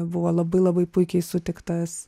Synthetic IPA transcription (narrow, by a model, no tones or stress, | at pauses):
bʊʋoːlˠɐbɐɪlˠɐbɐɪpʊɪkʲɛɪsʊt̪ʲɪkt̪ɐs